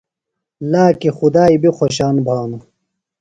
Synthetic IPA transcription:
laːkixud̪aːibixoɕaːnbʱaːnu

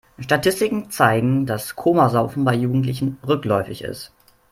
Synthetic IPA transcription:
ʃtatʰɪstɪkŋ̩t͡saɪɡŋ̩daskʰomazaʊfn̩baɪjuːɡŋ̩tlɪçn̩ʁʏklɔʏfɪçɪ̰st

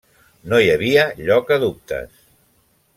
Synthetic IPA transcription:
nojəβiəʎɔkəðup̚t̪ə̰s

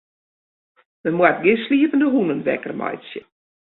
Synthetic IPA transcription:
məmwat̚ɡɪsliəvəndəɦunənʋɛ̰kərma̰jsjə

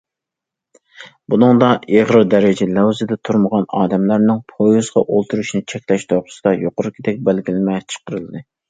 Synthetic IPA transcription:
bunɨŋd̪ɑʔeʁɾɨɾd̪ɛɾɪd͡ʒɛlɛwzɨd̪ɛt̪ʰuɾməʁɑnɑːd̪ɛmlæɾnɪŋpʰojuzʁɑʔolˠt̪ʰuɾuʃnɨt͡ʃʰɛkʲlɛʃt̪ʰoqʰʊ̥sɨd̪ɑjoqʊɾɨkʲʰɪd̪ɛk̚ʲbælɡʲilɪmɛt͡ʃʰə̥qəɾɨlˠɨd̪ɨ

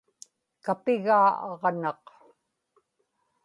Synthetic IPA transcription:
kapɪɣaːɑʁnɑq

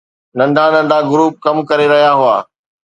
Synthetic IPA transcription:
nɐ̃nɖ̪ʱãnɐ̃nɖ̪ʱaɡʊɾuːp̚kɐmkɐɾeɾɐɦijaɦʊa̰ː

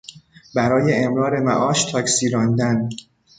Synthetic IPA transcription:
bæɾɒːje̞ːmɾɒːɾe̞mæ̰ʔɒːʃt̪ʰɒːcsiːɾɒːnd̪æn

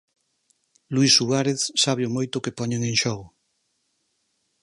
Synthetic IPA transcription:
luisuaɾeθsaβeomojt̪ʊkepɔɲeŋẽŋʃɔɣ

